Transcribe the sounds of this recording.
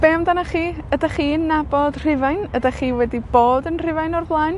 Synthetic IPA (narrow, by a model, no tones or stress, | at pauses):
b̥eːmdanaχiːədaχiːnːabɔd̥r̥ɪvajnədaχiːwɛdib̥oːdənr̥ɪvajnɔrblˠajn